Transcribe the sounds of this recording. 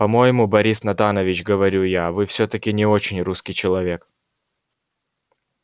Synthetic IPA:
pɐmo̞jɪmubɐɾʲisnɐt̪anəvʲɪt͡ɕɡəvɐɾʲujavɨfsʲɵt̪əkʲɪnʲɪo̞t͡ɕɪnʲruskʲɪjt͡ɕɪlˠɐvʲe̞k

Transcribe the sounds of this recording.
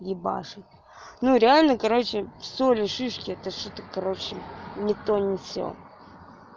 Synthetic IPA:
jʲɪba̰ʂɨ | nuɾʲɪalʲnəkɐɾo̞t͡ɕɪfsolʲɪʂɨʂkʲɪɛt̪əʂot̪əkɐɾot͡ɕɪnʲɪt̪onʲɪfsʲo̰

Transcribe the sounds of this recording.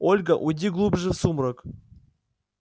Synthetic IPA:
olʲɡəʔʊdʲiɡlˠubʐɨfsumɾək

